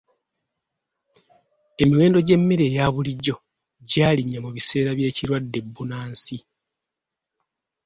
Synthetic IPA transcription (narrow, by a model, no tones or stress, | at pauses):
e̞miwe̞ːndo̞ɟe̞mːeɾe̞ːjaːβuliɟːo̞ | ɟaːliɲːamuβise̞ːɾaβje̞ːciɾwadːe̞bːunaːnsi